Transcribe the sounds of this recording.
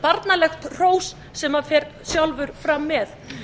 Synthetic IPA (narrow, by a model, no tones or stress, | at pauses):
paɾt̪nalɛxt̪r̥oːwsːɛmaðfɛɾt̪sjawlvʏɾfɾamːɛθ